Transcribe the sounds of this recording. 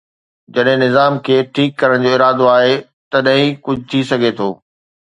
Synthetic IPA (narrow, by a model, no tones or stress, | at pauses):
d͡ʑɐɗɦɪ̃nɪzaːmkʰeːʈʰiːkːɐɾəɽ̃d͡ʑoːɪɾaːd̪oaːɦe | t̪ɐɗɦɪ̃ĩkʊd͡ʑʱʊt̪ʰisɐɡʱet̪ʰoː